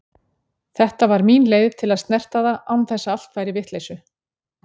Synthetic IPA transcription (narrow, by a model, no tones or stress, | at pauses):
θɛht̪avaɾminleːjðvt̪ʰɪlaðst̪nɛr̥t̪aðaʔawnθɛsːaal̥t̪fajɾɪvɪht̪lejsʏ